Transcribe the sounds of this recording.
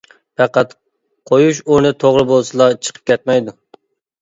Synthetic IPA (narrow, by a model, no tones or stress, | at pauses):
pɑqæt̪ | qʰojuʃoɾnɨt̪ʰoʁɾɨbolˠsɨlˠɑt͡ʃʰə̥qʰə̥p̚kʲʰɛt̪̚mɛjd̪ʊ